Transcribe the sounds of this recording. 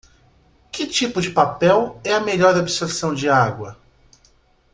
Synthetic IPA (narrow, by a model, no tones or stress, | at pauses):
kɪt͡ʃipʊd͡ʒɪpapɛwɛɐmeʎɔɾdobɪsoɾsɐ̃w̃d͡ʒɪaɡwɐ